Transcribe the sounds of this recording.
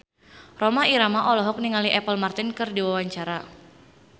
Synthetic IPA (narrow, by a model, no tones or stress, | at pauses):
rɔmaiɾamaʔɔlɔɦɔk̚niŋaliʔɛpəlmart̪inkɨrdiwawaɲt͡ʃaɾa